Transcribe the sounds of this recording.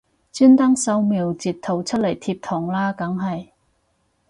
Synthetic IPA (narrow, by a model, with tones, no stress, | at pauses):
t͡syː˥nt̪ɐ˥ŋsɐ˧wmiː˨˩wt͡siː˨˩tt̪ʰːo˨˩wt͡sʰɵ˥t̚lɐ˨˩jt̪ʰiː˧˥p̚t̪ʰɔː˨˩ŋlaː˥kɐ˨˥ŋɦɐ˨j